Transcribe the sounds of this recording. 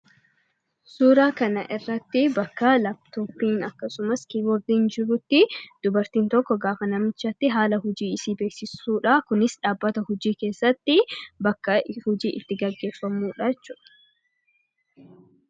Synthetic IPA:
suːɾaːkɐnɐ̰ʔɪrːɐt̪ːɪbɐkːɐlɐbt̪ɔːpiːnɐkːɐsʊmɐskiːbɔɾd̪iːnd͡ʒɪɾʊt̪ːɪd̪̥ʊbɐɾt̪iːnt̪ɔkːɔɡaːfɐnɐmɪt͡ʃːɐt̪ːɪɦaːlɐɦʊd͡ʒiːɪsiːbe̞ːksɪsuːᶑakʊnɪsᶑaːbːɐt̪ɐhʊd͡ʒiːke̞ːsːɐt̪ːɪbɐkːɐhʊd͡ʒiːʔɪt̪ːɪɡɐɡːe̞ːfːɐmuːᶑɐt͡ʃːʊᶑɐ̥

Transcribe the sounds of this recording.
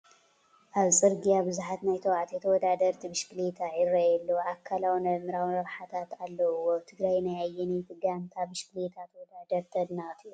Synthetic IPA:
ʔaβt͡sʼɨɾɡijabɨzuħat̪najt̪ʰɐwʕat̪ʰet̪ʰɐwɔd̪ad̪ɐɾt̪ʰibɨʃkɨlet̪ʰaʕiɾɐjɛlːoʔakʰːalawnɐmɨɾawnɾɐɾħat̪ʰat̪alːɐwːot̪ʰɨɡɾajnajajːɛnit̪ʰɨɡant̪ʰabɨʃkɨlet̪ʰat̪ʰɐwɔd̪ad̪ɐɾt̪ʰɐd̪nat̪ʰiu

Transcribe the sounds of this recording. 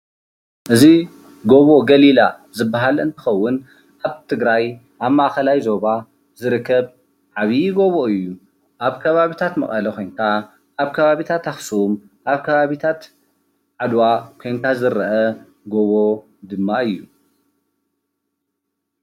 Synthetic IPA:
ʔɨzi | ɡo̞βo̞ɡɐlila | zɨbːaɦalɨ̰nt̪ʰɨ̥xɐwːʊn | ʔaβt̪ʰɨɡɾaj | ʔaβmːaʔxɐlajzo̞βa | zɨɾɨkʰːɐβ | ʕaβiɡo̞βo̞ɨjːu | ʔaβkʰɐβaβit̪ʰat̪mɐχʼɐlɐkʰo̞jŋkʰa | ʔaβkʰɐβaβit̪ʰat̪axsum | ʔaβkʰɐβaβit̪ʰat̪ | ʕad̪wakʰo̞jŋkʰazɨɾɐʔɐ | ɡo̞βo̞ | d̪ɨmːaɨjːu

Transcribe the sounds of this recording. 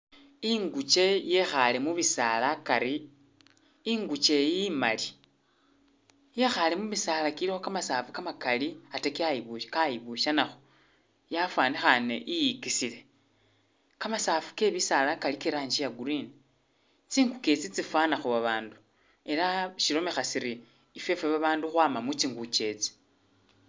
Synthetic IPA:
iŋɡut͡ʃe̞je̞xalemuβisalakaɾi | iŋɡut͡ʃe̞jimali | je̞xalemuβisaːlakilixokamasaːfukamakaliatekiaiβukajiβuʃanaxo̥ | jafwaːnexanḛʔijikisile̞ | kamasaːfu̥ke̞βisalakalikiɾaːɲd͡ʒijaɡuɾini | t͡siːŋɡuke̞t͡sit͡sifwanaxoβaβaːndu | e̞laʃiɾo̞me̞xasiɾiː | fe̞feβaβaːnduxwaːmamut͡ʃiːŋɡut͡ʃe̞t͡si̥

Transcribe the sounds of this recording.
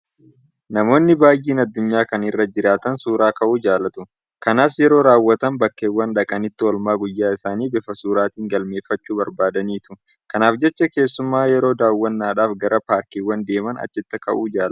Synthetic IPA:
nɐmo̞ːnːɪbaːjʔiːnɐd̪ːʊɲːaːkɐnɪrːɐd͡ʒɪɾaːt̪ɐnsuːɾaːkɐʔuːd͡ʒaːlɐt̪ʊ | kɐnaːsjɛɾo̞ːɾaːwːɐt̪ɐmbɐkːeːwːɐnᶑɐkʼɐnɪt̪ːɪɔlmaːɡʊjːaːɪsaːniːbɛfɐsuːɾaːt̪iːŋɡɐlme̞ːfːɐt͡ʃːuːbɐɾbaːd̪ɐniːt̪ʊ | kɐnaːfd͡ʒɛt͡ʃːɐke̞ːsːʊmːaːjɛɾo̞ːd̪aːwːɐnːaːᶑaːfɡɐɾɐpaːɾkiːwːɐnd̪e̞ːmɐnɐ̰t͡ʃːɪt̪ːɐkɐʔuːd͡ʒaːl

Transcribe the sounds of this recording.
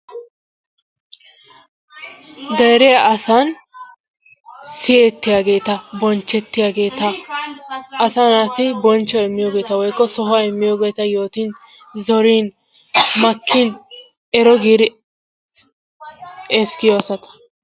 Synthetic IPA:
d̪ɛɾɛjaʔɐsɐn | sɪjeːt̪ːɪjaːɡe̞ːt̪ɐbɔnt͡ʃːɛt̪ːɪjaːɡeːt̪ɐ | ɐsɐnaːt̪ɪbɔnt͡ʃːɔɛmːɪjoːɡe̞ːt̪ɐwɔjkːɔsɔɦaɛmːɪjoːɡe̞ːt̪ɐjo̞ːt̪iːn | zɔɾiːn | mɐkʰːin | ɛɾɔɡiːɾɪ | ɛskɪjɔɐsɐt̪ɐ̥

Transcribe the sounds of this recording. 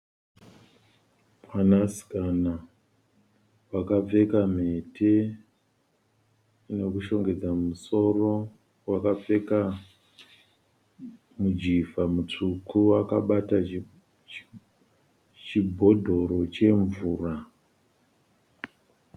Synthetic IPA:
manasi̥kana | wakave̞kame̞tʰe̞ | ne̞kuʃo̞ŋɡe̞d͡zamuso̞ro̞ | wakave̞ka | mud͡ʒivamut͡ʂukʰuwakaɓata | t͡ʃibʱo̞dʱo̞ɾo̞t͡ʃe̞ɱvuːra

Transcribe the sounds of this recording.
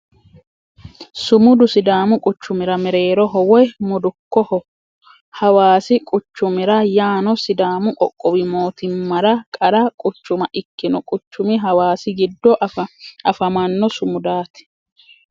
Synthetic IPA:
sʊmʊd̪ʊsɪd̪aːmʊkʼʊt͡ʃːʊmɪɾɐmɛɾe̞ːɾɔɦɔwɔjmʊd̪ʊkːɔhɔ | hɐwaːsɪkʼʊt͡ʃːʊmɪɾɐjaːnɔsɪd̪aːmʊʔɔkʼːɔwɪmo̞ːt̪ɪmːɐɾɐkʼɐɾɐkʼʊt͡ʃːʊmɐʔɪkːɪnɔkʼʊt͡ʃːʊmɪɦɐwaːsɪɡɪd̪ːɔ | ɐfɐmɐnːɔsʊmʊd̪aːt̪ɪ̥

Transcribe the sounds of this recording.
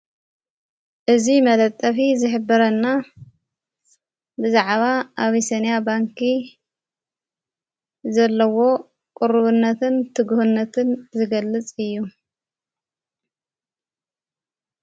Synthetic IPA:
ʔɨzimɐd̪ɐt̪ʼːɐfizɨħɨbːɐɾɐnːa | bɨzaʕβaʔaβisɐnjabaŋkʰi | zɐlːɐwo̞ | kʼʊɾβɨnːɐt̪ʰɨnt̪ʰɨɡuhunːɐt̪ʰɨnzɨɡɐlːɨt͡sʼɨjːu

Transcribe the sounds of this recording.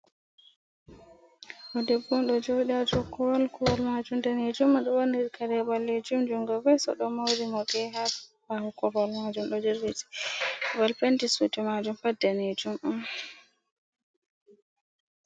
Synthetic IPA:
ʔɔdebːumɗɔd͡ʒowɗiad͡ʒɔkʰːɔwalkɔwɔlmad͡ʒumdaned͡ʒumːaɗɔwɔniɾkʰaɾɛbalːed͡ʒumd͡ʒuŋɡɔbɛsɔ̰ɗɔmawɾimɔɡɛɦabahukɔɾɔlmad͡ʒumɗɔd͡ʒiɾːiti̥balpentisutimad͡ʒumfadɛned͡ʒumʔam

